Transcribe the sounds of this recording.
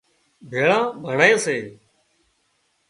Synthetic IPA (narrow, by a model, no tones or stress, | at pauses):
bʱeːɭãːbʱəɳaːẽːseː